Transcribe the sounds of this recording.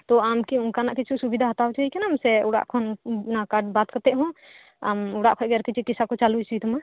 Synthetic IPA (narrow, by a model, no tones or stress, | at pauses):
t̪ɔamkiuŋkanaʔkit͡ʃʰusubid̪ʱaɦat̪awt͡ʃʰaɦikɛnamsɛuɽa̰ʔkʰɔnnakaɖbat̪̚kət̪ɛʔɦɔ̃ | a̰muɽaʔkʰɔɡɛɾkit͡ʃʰɛkisakɔt͡ʃalut͡ʃʰit̪ɔma